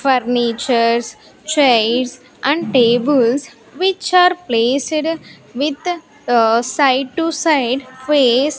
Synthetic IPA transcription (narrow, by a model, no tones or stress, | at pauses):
fəɾnit͡ʃəɾs | t͡ʃeɪɖs | ʔæ̃ɳɖʈeːbəls | ʋɪt͡ʃaːɾpleːsɖ | ʋɪd̪ | saɪɖ̚ʈusaɪɖfeːs